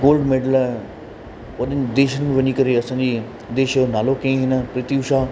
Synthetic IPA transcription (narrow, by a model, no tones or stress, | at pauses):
ɡoːlɖmeːɖəl | ʋɐɗɪnɪ̆d̪eːʃənɪ̆mẽʋɐɲikɐɾeɐsãːɲd͡ʑi | d̪eːʃənaːlokɐ̃ĩɦɪnə̆pɾɪt̪iʊʃaː